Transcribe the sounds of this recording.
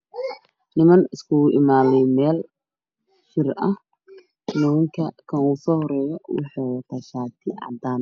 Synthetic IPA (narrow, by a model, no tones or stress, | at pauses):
nɪmɐnɪskʰʊʔɪmaːlɛjmɛːl | ʃɪrɐh | mɔɪŋkʰɐkʰɐnuːsɔːhɔɾɛːjɔwɑ̰ħɑːwɐt̪ʰaʃaːt̪ʰɪʔɑ̰d̪aːn